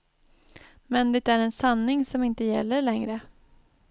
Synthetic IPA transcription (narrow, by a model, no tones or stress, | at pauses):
mɛnd̪ɛt̪æɾɛnsanːɪŋsɔmɪnt̪əjɛ̰lːəɭɛŋɾə